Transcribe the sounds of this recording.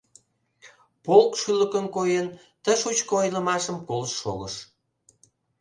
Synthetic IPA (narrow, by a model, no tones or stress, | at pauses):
polkʃyləkənkojən | t̪əʃut͡ɕkoojləmɑʃəmkolʃːo̰ɣəʃ